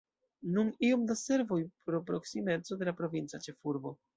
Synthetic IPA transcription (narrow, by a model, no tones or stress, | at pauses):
nunio̞md̪ase̞ɾvo̞jpɾo̞pɾo̞ksime̞t͡so̞de̞lapɾo̞vint͡sat͡ʃe̞fuɾbo̞